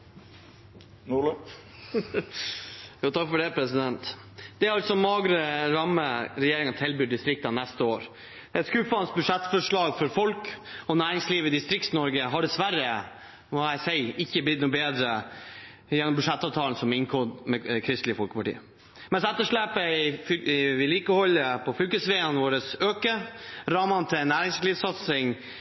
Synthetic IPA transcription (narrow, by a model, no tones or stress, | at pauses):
nuɭə | ɡɔt̪ʰːɑkfɔɖɛpʰɾɛsɪd̪ɛnt̪ | d̪̥ɛɑlsɔmɑːɡɾəɾɑmːəɾɛjeːɾɪŋɑnt̪ʰɛlbʏːɖɪst̪ɾɪk̚t̪ɑnɛst̪əoːɾ | d̪ɛt̪skʉfɑnst̪bʉʂɛt̪ːfɔʂɭɑːɡfɔɾfɔlkɔnæːɾɪŋsliːʋɪd̪ɪst̪ɾɪk̚t̪snɔɾɡəɦɑɖɛsʋæɾːə | ʋɑæɪsæɪɪçːəblɪt̪nuːbeːd̪ɾə | jɛnːɔmbʉʂɛt̪ːɑːʋt̪ʰɑːln̩sɔmɪŋkʰoːd̪mɛkʰɾɪst̪lɪəfɔlkə̥pʰɑʈḭːə | mɛnsɛt̪ːəʂɭeːpəɪ | ʋɪliːkəhɔlːəpʰɔfʏlkəsʋeːənʋoːɾəsøːkəɾɑmɑnt̪ʰɪɛnːæːɾɪŋsliːsɑt̪sɪŋ